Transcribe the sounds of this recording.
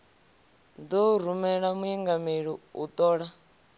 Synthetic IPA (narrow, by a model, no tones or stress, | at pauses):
dɔɾumɛɺamuiŋɡameɺɔṵt̪ʼɔːɺa